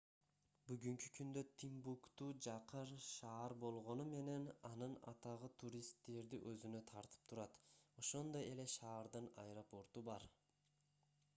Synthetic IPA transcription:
byɡyŋky̥kʰynd̪øt̪ʰimbukt̪uːd͡ʒɑqɯɾʃɑːɑɾbo̞lˠʁo̞nume̞ne̞nɑnɯnɑ̰t̪ɑʁɯt̪ʰuɾʲist̪ːe̞ɾd̪ḭʔøzynø̞t̪ʰɑɾt̪ɯ̥p̚t̪ʰuɾɑt̪o̞ʃo̞nd̪o̞je̞le̞ʃɑːɾd̪ɯnɑ̰jɾopo̞ɾt̪ubɑɾ

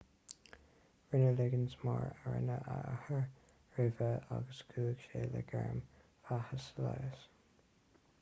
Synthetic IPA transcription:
ɹɪnəlɪɡənsmɑɹəɹɪ̰nəʔəʔahəɹ | ɹʉvəaɡəsɡʰuːɡ̥ʃeːləɡɛɹm | fahəsəlajəs

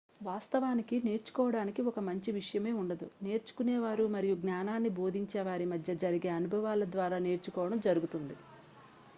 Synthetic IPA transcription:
ʋaːst̪ɐʋaːnikine̞ːɾt͡ʃu̥kɔːʋɐɽaːnikiɔkɐmɐɲt͡ʃiʋiʂɐjɐme̞ːuɳɖɐd̪ṵne̞ːɾt͡ʃu̥kuneːʋaːɾumɐɾijuɡnaːnaːnːibo̞ːd̪ʱiɲt͡ʃeːʋaːɾimɐd̪ʱjɐd͡ʒɐɾiɡe̞ːɐnubʱɐʋaːlɐd̪ʋaːɾaːne̞ːɾt͡ʃukɔːʋɐɽɐmd͡ʒɐɾuɡut̪und̪i

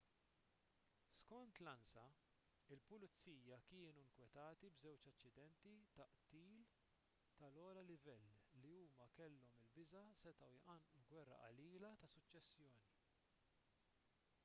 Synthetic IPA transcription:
skɔnt̪lɐnsɐ | ɪlpʊlɪt͡sːiːjɐkɪːnuɪŋkwɛt̪ɐːt̪ibzɛwt͡ʃɐt͡ʃːɪd̪ɛnt̪it̪ɐʔt̪iːl | t̪ɐlɔːlɐlɪvɛlːiuːmɐkɛlːɔmɪlbɪzɐsɛt̪ɐwjʔɐnʔulɡwɛrːɐ̰ʔɐ̰liːlɐt̪ɐsʊt͡ʃːɛsːjɔːni

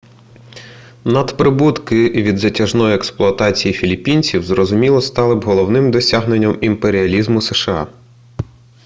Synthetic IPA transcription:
nɐd̪pɾɪbut̪kɪʋʲid̪zɐtʲɐʒnɔjiɛksplˠʊɐt̪ɑt͡sʲijifʲilʲipʲinʲt͡sʲiwzrɔzʊmʲilˠɔst̪ɑlˠɪbɦɔlˠɔwnɪmd̪ɔsʲaɦnenʲːɐmimpeɾʲiɐlʲizmʊseʃeɑ̰

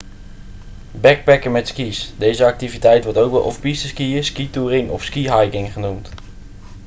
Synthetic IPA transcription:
bɛk̚pɛkəmɛtskisdejzəɑk̚tivitɛjtʋɔɹtowk̚bɛlˠʔɔ̰fpistəskiəskituːrɪŋɔ̰fskiɦɑjkɪŋχənumt

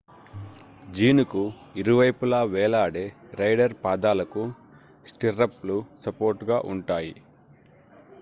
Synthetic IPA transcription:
d͡ʒiːnuku | iɾuʋɐjpulaːʋɛːlaːɽeːɾɐjɖɐɾpaːd̪aːlɐku | sʈiɾɐplusɐpoːɾʈɡaːʔuɳʈaːjḭ

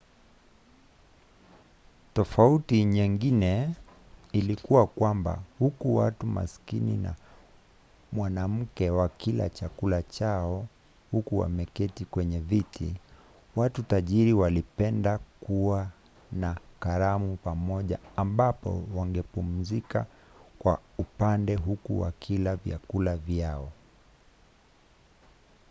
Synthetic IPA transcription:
tɔfautiɲiŋɡinɛ | ilikuwakwamba̰hukuwa̰tuma̰skinina̰ | mwanam̩kɛwakila̰t͡ʃakulat͡ʃaɔ | hukuwa̰mɛkɛtikwɛɲɛvitʰḭ | watutaʄiɾiwalipɛndakuwa | nakaɾamupamɔʄaːmbapɔ̰waŋɡɛpum̩zika | kwaupandɛɦukuwa̰kʰilavja̰kulavjaɔ

